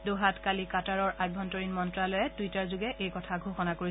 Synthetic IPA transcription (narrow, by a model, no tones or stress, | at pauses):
doɦatkalikataɹɔɹaj̚bʱɔntoɹinmɔntɹalojɛtuitaɹzʊɡɛʔejkɔtʰaɡʱoxɔnakoɹi